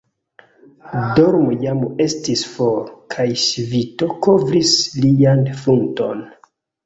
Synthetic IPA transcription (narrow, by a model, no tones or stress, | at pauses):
doɾmojame̞stisfoɾkʰajʃivito̞kovɾislianfunto̞̰n